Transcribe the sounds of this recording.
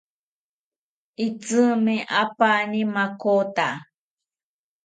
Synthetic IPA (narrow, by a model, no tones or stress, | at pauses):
it͡sɨmẽʔapanimakot̪a